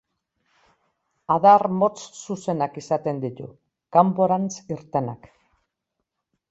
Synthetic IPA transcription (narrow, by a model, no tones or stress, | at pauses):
aðarmo̞t͡ssuse̞nakisat̪e̞nd̪it̪ṵ | kampo̞ɾant͡siɾt̪e̞nak